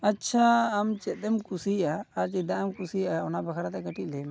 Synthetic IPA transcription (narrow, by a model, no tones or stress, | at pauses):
ətːt͡ʃʰaːmt͡ʃɛt̪̚d̪ɛmkusiʔaːɾt͡ʃɛd̪aʔɛmkusijaɔnabakʰaɾat̪ɛkəʈiʔ̚lɛjma